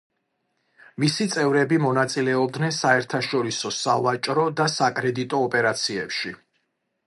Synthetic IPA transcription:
misit̪sʼɛvɾɛbimɔnat̪sʼilɛɔb̚d̪nɛnsaɛɾt̪ʰaʃɔɾisɔsavat͡ʃʼɾɔd̪asakʼɾɛd̪it̪ʼɔːpʼɛɾat̪sʰiɛpʃi

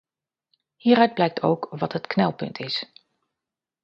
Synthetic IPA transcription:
hiːɾœɥd̚blɛjk̚tʰo̰wkʋɑtɦətknɛlˠpɵ̰ntʰɪs

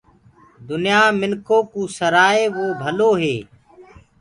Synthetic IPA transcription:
d̪ʊnjaːmɪnkʰoːkũːsəɾaːeːʋoːbʱəloːɦeː

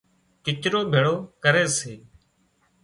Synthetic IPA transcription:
kɪt͡ʃɾoːbʱeːɽoːkəɾeːseː

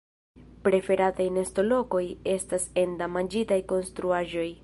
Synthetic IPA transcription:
pɾe̞fe̞ɾatajnesto̞lo̞ko̞je̞stase̞ndamand͡ʒitajko̞nstɾuaʒo̞j

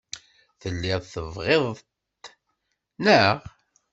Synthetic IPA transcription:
θəlːɪðˤθəvʁeðˤt | nəʁ

